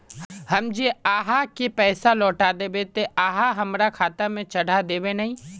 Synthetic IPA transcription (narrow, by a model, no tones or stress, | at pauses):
hɐmd͡ʒeaːɦakepɛːsalɔːʈad̪eːbet̪eaːɦaɦɐmɾakʰaːt̪amẽt͡ʃɐɽ̤ʱad̪eːbenɐɦĩː